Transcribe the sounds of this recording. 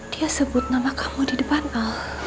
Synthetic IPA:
d̥iasəbʊt̪̚namakḁmudidəpanʔal

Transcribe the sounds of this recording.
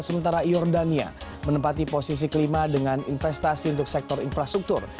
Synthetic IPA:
səmənt̪aɾajɔrdania̰mənəpat̪iposis̬iklimadəŋaninfɛst̪asiunt̪ʊk̚sɛk̚t̪ɔɾinfɾast̪ɾuk̚t̪ʊr

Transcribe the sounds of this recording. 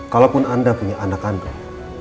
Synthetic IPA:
kalapunandapuɲaʔanakanda

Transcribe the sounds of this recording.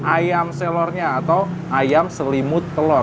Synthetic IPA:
ʔajamselɔrɲaːt̪aw | ajamsəlimʊt̪ːəlɔr

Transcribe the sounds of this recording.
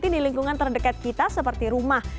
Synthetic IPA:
t̪indiliŋkuŋant̪ərdəkat̪̚kit̪asəpərt̪iɾumah

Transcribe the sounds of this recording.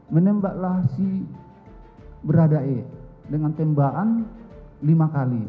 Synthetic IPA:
mənɛmbaʔlahsi | bəɾadaedəŋant̪ɛmbaʔanlimakali

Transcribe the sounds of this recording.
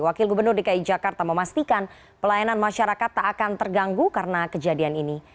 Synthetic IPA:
wakɪlɡubərnʊrdikaid͡ʒakart̪aməmast̪ikan | pəlajananmaʃaɾakat̪ːaːkant̪ərɡaŋɡukaɾənakəd͡ʒadianini

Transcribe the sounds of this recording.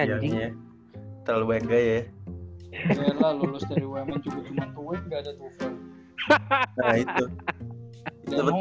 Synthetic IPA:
aɲa | t̪əaluwɛŋɡaja | arlalulʊsdaɾiwemant͡ʃukʊd͡ʒumant̪uwɪt̪̚ŋɡaːdat̪ukat | ait̪u | itd̪ubə

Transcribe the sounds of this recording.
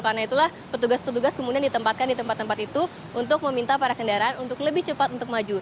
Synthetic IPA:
karnait̪ulahpət̪uɡaspət̪uɡaskomudiandit̪əmpat̪̚kandit̪əmpat̪ːəmpat̪it̪u | unt̪ʊk̚məmint̪apaɾakəndaɾaanunt̪ʊkləbɪht͡ʃəpat̪unt̪ʊk̚mad͡ʒu

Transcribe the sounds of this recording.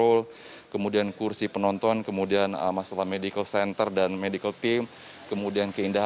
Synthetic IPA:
ol | kəmudiankursipənɔnt̪ɔnkəmudianə̰masalahmedikəlsɛnt̪ərdanmedikəlt̪im | kəmudiankəindaɦa

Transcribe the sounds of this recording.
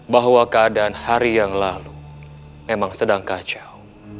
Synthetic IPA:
baɦwakəadaanhaɾijaŋlalu | memaŋsədaŋkat͡ʃaw

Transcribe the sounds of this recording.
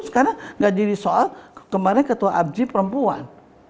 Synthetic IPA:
skaɾaŋɡaʔdiɾisoalkəmaɾɪnkət̪uaʔab̚d͡ʒipəɾəmpua̰n

